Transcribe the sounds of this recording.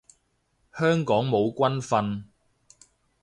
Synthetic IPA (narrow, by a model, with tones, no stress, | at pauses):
hœː˥ŋkɔː˨˥ŋmo˨˧wkʷɐ˥nfɐ˧n